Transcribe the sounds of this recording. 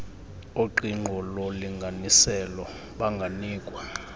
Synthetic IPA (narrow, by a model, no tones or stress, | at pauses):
oǃiŋ͡ǃʱɔlɔliŋɡʱanisɛlɔ | ɓaŋɡʱaniːkʼwa